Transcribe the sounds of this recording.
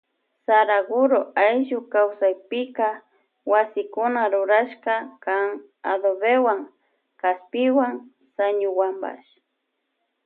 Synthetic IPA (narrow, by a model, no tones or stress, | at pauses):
saɾaɡʊɾoajʒʊkawsajpɪka | wasɪkʊnaɾʊɾaʃkakaŋ | a̰d̪oβewaŋ | kaspɪwaŋ | saɲʊwamba̰ʃ